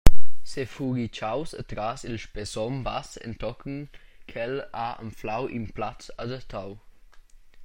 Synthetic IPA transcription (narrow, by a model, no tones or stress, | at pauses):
sefuɾit͡ʃawsət̪ɾasilʃpesɔmba̰sɛ̰nt̪ɔkənkʰɛlaə̰mflawʔḭmplat͡sadət̪ʰaw